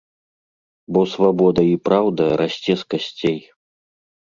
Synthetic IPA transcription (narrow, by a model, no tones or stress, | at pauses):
bɔsvabɔd̪ɐipɾawd̪ɐɾasʲt͡sʲɛskasʲt͡sʲej